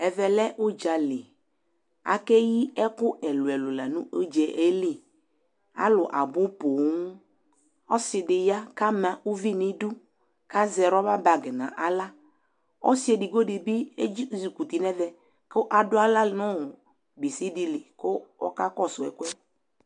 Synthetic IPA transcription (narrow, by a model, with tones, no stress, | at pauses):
ɛ˨vɛ˨lɛ˦ʔʊ˦d͡ʒa˨lɪ˨ | a̰˨kɛ˦ji˦ɛ˦kʊ˦ʔɛ˨lʊ˨ɛ˨lʊ˨la˨nũ˦o˦d͡ʒɛ˨ʔe˦lɪ˦˨ | a̰˦lʊ˨ʔa˨bʊ˦po˨ŋ˨ʊ˦ | ɔ˦sɪ˨dɪ˨ja˦ka˦mã˨ʔu˦vi˦nɪ˦dʊ˦ | ka˦zɛ˨ɾɔ˦ba˦ba˨ɡɛ˨nã̰˨ʔa˨la˦ | ɔ̰˦si˦ɛ˨dɪ˨ɡo˦dɪ˨bɪ˦e˦zi˨ku˨t̪i˨nɛ˦vɛ˨ | kʊ˦ʔa˨dʊ˦a˦la˦nɔ̃˦˨ | bi˨si˦dɪ˨lɪ˨kʊ˦ɔ̰˦ka˦kɔ˦sʊ˨ɛ̰˨kʊ˦ɛ˦